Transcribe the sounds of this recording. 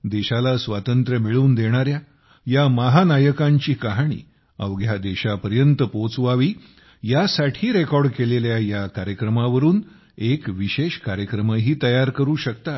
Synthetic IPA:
d̪eɕalasʋat̪ənt̪ɾəmiɭuːnd̪eɽ̃aɾja | jamaɦanajəkãɲt͡ɕiːkaɦɽ̃ḭː | ə̰ʋɡʱjad̪eɕapəɾjənt̪əpot͡sʋaʋiː | jasaʈʰiːɾekɔɾɖkeleljajakaɾjəkɾəmaʋəɾuːn | ekʋiɕeɕkaɾjəkɾəməɦiːt̪əjaɾkəɾuːɕəkt̪a

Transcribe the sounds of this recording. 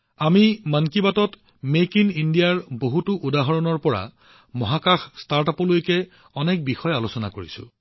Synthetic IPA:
amimankibatɔt | mekinindijaɹboɦutʊʔudaɦɔɹɔnɔɹpɔɹa̰ | mɔɦakaxstaɹtapɔlojkɛ | ɔnɛk̚bixɔjalosɔna̰koɹisʊ̰

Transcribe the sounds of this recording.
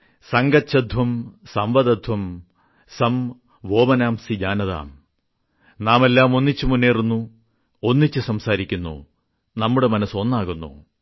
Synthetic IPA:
sɐŋɡɐɕɐd̪ʱʋɐmsɐmʋɐðɐd̪ʱwɐm | sɐm | ʋo̞ːmɐnaːmsid͡ʑaːnɐða̰ːm | naːme̞lːaːmo̞nːit͡ɕːumunːeːrunːu | o̞nːit͡ɕːɨsɐmsaːɾikʲːunːṵ | nɐmːuɽe̞mɐnɐso̞nːaːɣunːṵ

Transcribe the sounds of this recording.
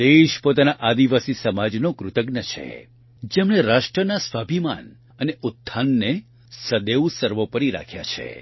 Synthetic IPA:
d̪eʃpot̪anaʔad̪iʋasisəmad͡ʒnokɾʊt̪əɡnət͡ʃʰḛ | d͡ʒemɽ̃eɾaʃʈɾənasʋabʱima̰n | əneʊt̪ʰːanːe | səd̪eusəɾʋopəɾiɾa̰kʰja̰t͡ʃʰḛ

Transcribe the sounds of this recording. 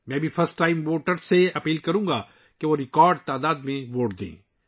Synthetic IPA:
mɛ̃ːbʱifʰɐɾsʈːaːɪmʋoːʈəɾseɐpiːlkɐɾũːɡaː | keʋoɾɪkɔːɾɖ̚t̪aːd̪aːd̪mẽʋoːʈd̪ḛ̃ː

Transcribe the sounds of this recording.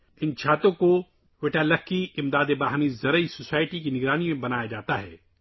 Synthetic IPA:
ɪnt͡ʃʰaːt̪õko | ʋɪʈalɐkːiɪmd̪aːd̪ebaːɦnizɐɾəisosaːɪʈikinɪɡɾaːnimẽbɐnaːjad͡ʒaːt̪aɦɛ̰ː

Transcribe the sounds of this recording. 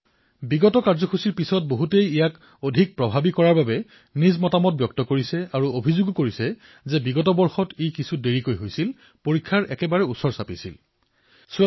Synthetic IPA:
biɡɔtɔkaɹzɔxʰusiɹpisɔt̚boɦutejijak | odʱik̚pɹɔbʱabikɔɹaɹbabɛ | nizmɔtamɔt̚bjɔk̚tɔkoɹisɛaɹuobʱizuɡkoɹisɛ | zɛbiɡɔtɔbɔɹxɔtikisʰudeɹikojɦojsil | poɹikʰːaɹʔɛ̰kɛbaɹɛusɔɹsapisḭl | s

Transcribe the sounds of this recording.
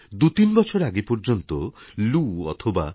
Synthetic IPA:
d̪ut̪inbɔt͡ʃʰoɾaɡepɔɾd͡ʒont̪oluɔ̰t̪ʰoba

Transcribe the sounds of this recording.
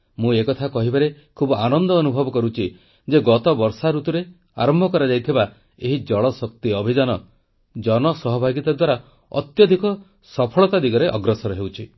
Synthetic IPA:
mũekɔt̪ʰakɔɦibaɾe | kʰubɔanɔnd̪ɔːnubʱɔbɔkɔɾut͡ʃʰi | d͡ʒeɡɔt̪ɔbɔɾsaɾut̪ɔɾe | a̰ɾɔmbʱɔkɔɾad͡ʒajt̪ʰiba | eɦid͡ʒɔɭɔsɔk̚t̪iɔbʱid͡ʒanɔ | d͡ʒɔnɔsɔɦɔbʱaɡit̪ad̪waɾa | ɔ̰t̪jɔd̪ʱikɔ | sɔpʰɔɭɔt̪ad̪iɡɔɾeʔɔɡɾɔsɔɾɔɦewt͡ʃʰi

